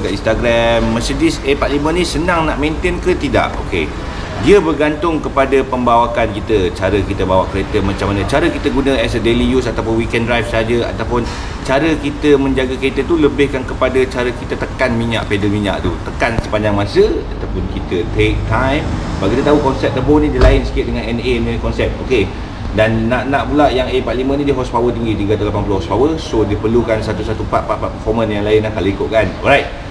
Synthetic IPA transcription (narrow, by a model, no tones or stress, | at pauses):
kainst̪aɡɾamːəsedisepalimə̃nĩsənaŋnaʔmẽnt̪enkət̪ida̰ʔo̰kḛ | diəbərɡant̪ʊŋkəpadapəmbawakankit̪ət͡ʃaɾəkit̪əbawaʔkəɾet̪əmãt͡ʃamanə̃t͡ʃaɾəkit̪əɡunə̃ɛsədelijusat̪apʊnwikɛndɾajfsəɦad͡ʒəa̰t̪awpʊn | t͡ʃaɾəkit̪əmə̃ɲd͡ʒaɡakəɾet̪ət̪uləbɪhkankəpadət͡ʃaɾəkit̪ət̪əkanmiɲa̰ʔpedəlmiɲa̰ʔt̪ut̪əkansə̥paɲd͡ʒaŋmasəat̪awpʊnkit̪ət̪ek̚t̪ajmbaɡukit̪ət̪aɦukɔnsɛp̚t̪əbonĩdilaɪnsə̥kɪʔ̪̚dəŋanɛnenkɔnsɛp̚oke | danːãʔnãʔpulaʔjaŋepaʔlimə̃nĩdiɦɔspawət̪ipəɡit̪iɡat̪alapanpulohɔspawəsodipərlukansat̪usat̪upaʔpaʔpaʔpəfɔmə̃njaŋlaɪnlahkaləikoʔkanɔ̰lɾajt̪̚